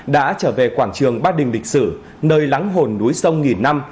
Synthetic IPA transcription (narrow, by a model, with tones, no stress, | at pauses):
ɗa̰ː˧˥t͡ɕəː˧˩ve˨˩kwaː˧˩ŋt͡ɕɨ˨˩əŋɓaː˧ɗï˨˩ŋ̟lï˨˩k̟̚sɨ˧˩ | nəː˧jla˨˦ŋɦo˨˩nːu˨˦jsə˧wŋi˨˩nːa˧m